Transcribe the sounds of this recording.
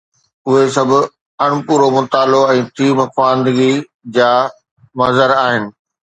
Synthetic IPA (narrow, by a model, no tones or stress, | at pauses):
ʊɦesɐbʱʊ̆ | ɐɽ̃ʊpuːɾomʊt̪aːloɛ̃ːt̪ʰiːmɐfaːnd̪əɡi | d͡ʑaː | mɐzəɾaːɦɪnɪ̆